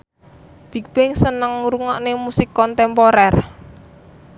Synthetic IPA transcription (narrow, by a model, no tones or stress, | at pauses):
b̥i̤k̚b̥ɪŋsənəŋɾuŋɔʔnemusikɔnt̪ɛmpoɾɛr